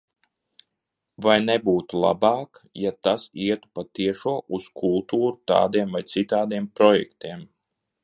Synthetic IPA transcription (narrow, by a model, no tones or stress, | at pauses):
vajnɛbuːt̪ulˠa̰bɑːkjat̪asiɛt̪u̥pat̪iɛʃuːɔʔuskʰulˠt̪uːɾut̪ɑ̰ːd̪iɛmvajt̪sit̪aːd̪iɛmpɾɔjɛ̰kt̪iɛm